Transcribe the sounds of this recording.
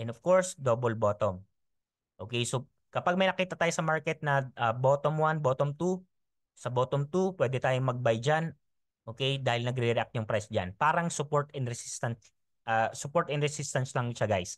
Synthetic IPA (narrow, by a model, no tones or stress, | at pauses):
ʔɛ̃nɔv̥koɹsd̪oːbolboːt̪om | ʔoːkɛjso | kɐpaɡ̚mɐjnɐkiːt̪ɐt̪aːjosɐmaɹkɛt̪̚nɐʔɐboːt̪omwanboːt̪omt̪u | sɐboːt̪omt̪upwɛːd̪ɛt̪aːjomɐɡ̚bajd͡ʒan | ʔo̞ːkɛjd̪aːhɪlnɐɡɾɪɾɛʔak̚t̪jʊŋpɾajsd͡ʒa̰npaːɾɐŋsʊpoɹt̪ɪnɾɛsist̪ɐns | ʔɐsʊpoɹt̪ɛnɾɛsist̪ɐnslɐŋʃaɡajs